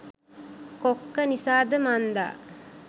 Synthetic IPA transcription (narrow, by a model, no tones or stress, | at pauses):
kokːɐnisaːd̪ɐmand̪a̰ː